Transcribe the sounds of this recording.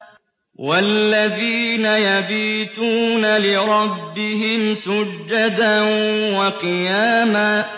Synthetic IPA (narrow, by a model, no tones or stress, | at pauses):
wallːaðiːnajabiːt̪uːnalɪɾˤɑbːɪɦɪmsʊd͡ʒːad̪awɑqɨjaːma